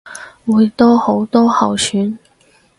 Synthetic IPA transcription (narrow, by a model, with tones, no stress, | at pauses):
wuː˨˧jt̪ɔː˥ho˨˥wt̪ɔː˥hɐ˨wsʰyː˨˥n